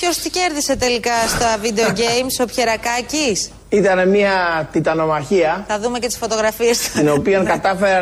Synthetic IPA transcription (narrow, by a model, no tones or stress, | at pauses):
pço̞st̪ice̞ɾðise̞t̪e̞likɐst̪ɐvid̪e̞oɟe̞jmso̞pçeɾɐkɐcis | it̪ɐne̞miɐt̪it̪ɐno̞mɐçiɐθɐðume̞ce̞t̪isfo̞t̪o̞ɣɾɐfiest̪ino̞piɐŋkɐt̪ɐfeɾɐ